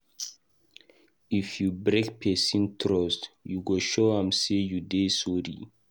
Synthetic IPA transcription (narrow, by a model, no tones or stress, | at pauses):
ifjubɾekpʰɛsĩntʰɾɔstjuɡoʃoãmsejudesɔɾḭ